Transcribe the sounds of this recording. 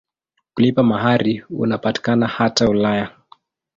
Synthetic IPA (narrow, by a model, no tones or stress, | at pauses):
kulipamaɦaɾiṵnapati̥kanahataulaja